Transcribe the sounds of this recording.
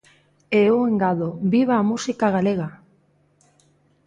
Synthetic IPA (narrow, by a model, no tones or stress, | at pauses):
eueŋɡaðoβiβaːmusikaɣaleɣa